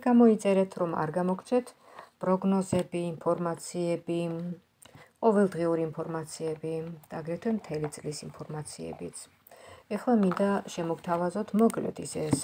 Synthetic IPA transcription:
ɡ̥amɔit̪sʼɛɾɛt̪ʰɾɔma̰ɾɡamɔkʰt͡ʃʰɛt̪ʰ | pʼɾɔɡnɔzɛbiːmpʰɔɾmat̪sʰiɛbi | qʼɔvɛlˠd̪ʁiuɾiːmpʰɔɾmat̪sʰiɛbid̪̥aɡɾɛt̪ʰwɛmt̪ʰɛlit̪sʼlisimpʰɔɾmat̪sʰiɛ̰bit̪sʰ | ɛχlˠamind̪aʃɛmɔkt̪ʰavazɔt̪ʰmɔɡlɛ̰t̪ʰisɛs

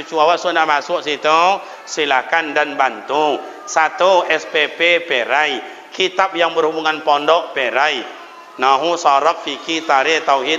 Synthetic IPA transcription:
ut͡ʃuawaʔsunaʔmasʊʔsit̪ɔ | silakandanbant̪u | sat̪uɛspepepeɾai | kit̪ap̚jaŋbərhubuŋanpɔndɔʔpeɾai | naɦusaɾɔp̚fikit̪aɾet̪awɦi

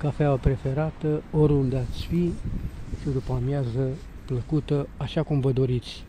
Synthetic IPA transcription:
kafeaəpɾe̞fe̞ɾat̪əoɾund̪at̪sʲfi | ʃid̪upamjazə | pləkut̪əaʃakumvəd̪o̞ɾit̪sʲ

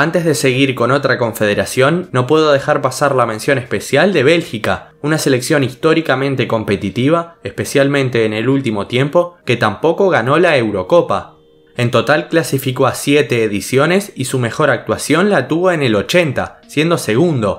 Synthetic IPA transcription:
ant̪ezðe̞se̞ɣiɾko̞no̞t̪ɾako̞ɱfe̞ð̞eɾasjo̞nːo̞pwe̞ð̞o̞ð̞e̞xaɾpasaɾlamensjo̞ne̞spe̞sjald̪eβ̞e̞lxika | unase̞le̞ksjo̞nist̪o̞ɾikamẽ̞nt̪e̞ko̞mpe̞t̪it̪iβ̞aespe̞sjalmẽnt̪e̞ːne̞lult̪imo̞t̪je̞mpo̞ke̞t̪ampo̞ko̞ɣano̞laewɾo̞ko̞pa | e̞nt̪o̞t̪alklasifiko̞asjet̪e̞ːðisjo̞ne̞sisume̞xo̞ɾak̚t̪wasjo̞nlat̪uβo̞e̞ne̞lo̞t͡ʃe̞nt̪a̰sje̞nd̪ose̞ɣund̪o̞

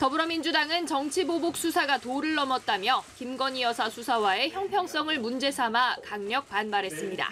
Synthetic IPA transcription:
tʌbɯɾʌmind͡ʑudaŋɯnt͡ɕʌŋt͡ɕʰibobuk̚s͈ʰusʰaɡatoɾɯɭːʌmʌt̚t͈amjʌkimɡʌɲijʌsʰasʰusʰawae̞çjʌŋpʰjʌŋs͈ʌŋɯɭmund͡ʑe̞sʰamakaŋɲʌk̚panbaɾɦe̞s͈ɯmɲida̰

